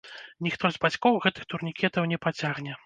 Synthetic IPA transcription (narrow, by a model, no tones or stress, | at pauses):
nʲixt̪ɔzʲbat͡sʲkɔwɣɛt̪ɨxt̪urnʲikʲɛt̪ɐwnʲɛpat͡sʲaɣnʲɛ